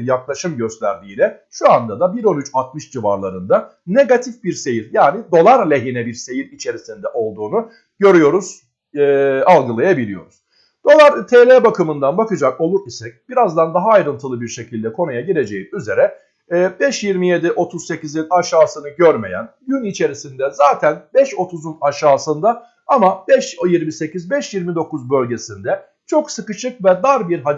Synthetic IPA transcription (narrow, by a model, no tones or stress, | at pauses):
ɾjaklˠaʃɯmɟø̞st̪lʲæɾd̪iːlʲɛ | ʃuand̪ad̪abiɾo̞nyt͡ʃat̪̚mɯʃd͡ʒivaɾlˠaɾɯnd̪a | ne̞ɡat̪ʰifbiɾse̞jiɾjaːnid̪o̞lˠaɾlʲe̞ɦinɛbiɾse̞jiɾit͡ʃʰe̞ɾisind̪ɛʔo̞lˠd̪uːnu | ɟ̥ø̞ɾyjo̞ɾuz̥ | alˠɡɯlˠajabilʲijo̞ɾuz̥ | d̪̥o̞lˠaɾt̪ʰeːlʲeːbakʰɯmɯnd̪anbakɯd͡ʒako̞lˠuɾisɛc̚b̥iɾazd̪and̪aɦaːjɾɯnt̪ʰɯlˠɯbiɾʃe̞cʰilʲd̪ɛkʰo̞nujaɟiɾe̞d͡ʒe̞jiyze̞ɾɛː | bɛʃjiɾmije̞d̪iʔo̞t̪ʰuzse̞cizinaʃaːsɯnɯɟøɾme̞̰jæ̰nɟynit͡ʃʰe̞ɾisind̪ɛzaːt̪ʰænbɛʃo̞t̪ʰuzunaʃaːsɯnd̪a | amabɛʃjiɾmise̞cizbɛʃjiɾmid̪o̞kuzbø̞lʲɟe̞sind̪ɛ | t͡ʃʰo̞ksɯkɯt͡ʃɯk̚vɛd̪aɾbiɾɦad̪